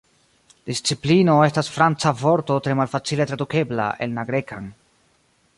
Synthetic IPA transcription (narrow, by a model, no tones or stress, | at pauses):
d̥ist͡siplino̞e̞stasfɾant͡savo̞ɾto̞tɾe̞malfat͡sile̞tɾaduke̞bla̰ʔe̞̰lnaɡɾe̞kan